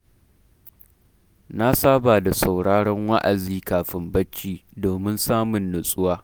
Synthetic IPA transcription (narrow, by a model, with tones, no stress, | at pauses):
na˦saː˦baː˨da˨sa˨wɽaː˦ɽɔ˦ŋwa˦ʔa˨ziː˦kaː˨ɸɪ˦mbɐ˦t͡ʃːiː˦doː˨mɪ˦nsaː˦mʊ˨nːʊ˨sʼʊ˦waː˦